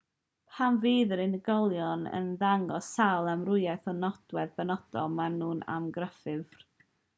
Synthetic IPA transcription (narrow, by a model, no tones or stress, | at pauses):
pʰanviːðəɾɪnəɡɔlˠjɔnə̰nðaŋɡɔsalˠamrʊjaθɔnɔd̥wɛðbənɔd̥ɔmanuːna̰mɡrəfɨv̥r